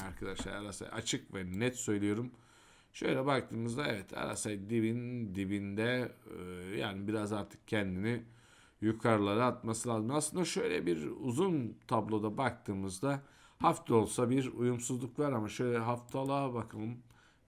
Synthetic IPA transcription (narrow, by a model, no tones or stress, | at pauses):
aɾkʰad̪aʃlˠa̰aɾasa̰ja̰t͡ʃʰɯkvɛnɛt̪sø̞jlʲijo̞ɾum | ʃø̞̰jlʲɛbakt̪ʰɯːmɯzd̪aɛvɛt̪ʰa̰ɾa̰sajd̪ibind̪ibind̪ɛ | ja̰ːnibiɾazaɾt̪ʰɯ̥k̚cʰɛnd̪ini | jukʰaɾɯlˠaɾɯat̪̚masɯlˠaːzɯmaslˠɯnd̪aʃø̞jlʲɛ̰biɾuzunt̪ʰablˠo̞d̪abak̚t̪ʰɯːmɯzd̪a | haft̪ʰɛo̞lˠsabiɾujumsuzlˠukvaɾamaʃø̞jlʲɛɦaft̪ʰalˠabakʰalˠɯm